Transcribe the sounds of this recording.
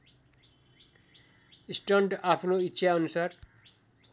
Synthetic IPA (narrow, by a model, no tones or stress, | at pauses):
isʈɔɳʈapʰnoitːʃʰaonusaɾ